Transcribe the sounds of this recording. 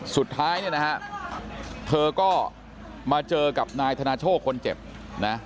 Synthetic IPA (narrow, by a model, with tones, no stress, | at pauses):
su˨˩t̪ʰːaː˦˥jni˥˩na˦˥kʰa˦˥ʔ | t̪ʰɤː˧kɔː˥˩ | maː˧t͡ɕɤː˧ka˨˩p̚naː˧jt̪ʰaː˧naː˧t͡ɕʰoː˥˩t̚kʰo˧nt͡ɕe˨˩p̚ | na˦˥